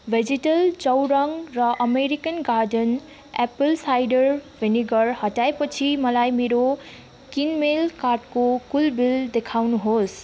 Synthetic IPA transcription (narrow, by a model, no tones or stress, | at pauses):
bʱed͡ziʈʌlt͡sʌwɾʌŋrʌʔʌmeɾikʌnɡaɾɖʌn | epəlsajɖʌrbʱeniɡʌrhʌʈaepʌt͡sʰimʌlajmeɾo | kinmelkarʈkokulbild̪ekʰawnuɦos